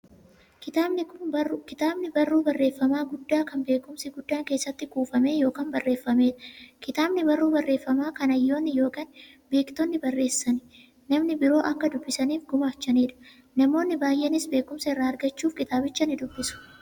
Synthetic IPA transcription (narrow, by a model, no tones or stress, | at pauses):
kɪt̪abnɪʊkɪt̪aːbnɪbɐrːuːbɐrːe̞ːfːɐmaːɡʊd̪ːaːkɐnbe̞ːkʊmsɪɡʊd̪ːaːŋkeːsːɐt̪ːɪkʼuːfɐme̞ːjo̞ːkaːnbɐrːe̞ːfːɐme̞ːᶑɐ̥kɪt̪aːbnɪbɐrːuːbɐrːe̞ːfːɐmaːkɐnɐjːo̞ːnːɪjo̞ːkaːn | be̞ːkt̪ɔnːɪbɐrːe̞ːsːɐnɪ̥ | nɐmnɪbɪɾo̞ːʔɐkːɐd̪ʊbːɪsɐniːfɡʊmaːt͡ʃːɐneːᶑɐ̥ | nɐmo̞ːnːɪbaːjʔenɪsbe̞ːkʊmsɐɪrːaːɐɾɡɐt͡ʃːuːfkɪt̪aːbɪt͡ʃːɐnɪd̪ʊbːɪsʊ̥